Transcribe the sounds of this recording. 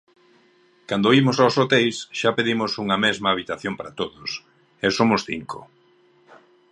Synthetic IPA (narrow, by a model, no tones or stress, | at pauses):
kand̪oimʊsawsot̪ejsʃapeðimʊsuŋɐmɛzmɐːβ̞it̪aθjompaɾat̪oðʊs | ɛsomʊsθḭŋkʰo̰